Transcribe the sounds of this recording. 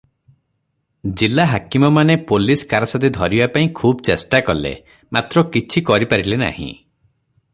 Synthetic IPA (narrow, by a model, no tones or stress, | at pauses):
d͡ʒilaɦakimɔmanepoliskaɾɔsɔt̪id̪ʱɔɾibapaĩkʰubɔt͡ʃesʈakɔlḛ | mat̪ɾɔkit͡ʃʰikɔɾipaɾilena̰hḭ̃